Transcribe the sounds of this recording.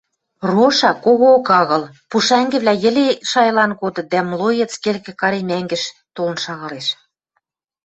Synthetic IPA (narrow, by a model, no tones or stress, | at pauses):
roʃɑkoɣoːkɑɣɤ̆lpuʃæŋɡɘ̆βlæjɘ̆leʃɑjlɑnɣod̪ɤ̆d̪æmlojĕt͡skelkɘ̆kɑɾemæŋɡɘ̆ʃ | t̪olə̆nʃɑɣɑleʃ